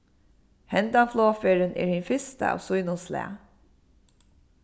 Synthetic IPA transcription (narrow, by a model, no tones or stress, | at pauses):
hɛnd̪anfloːfeːɹənɛ̰ːɹhinfɪst̪a̰a̰ːwsʊjnʊnslɛ̰ː